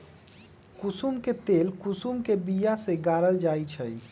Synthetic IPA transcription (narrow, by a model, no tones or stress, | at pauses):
kusumket̪elkusumkebijaseɡaɾəld͡ʒajt͡ʃʰəj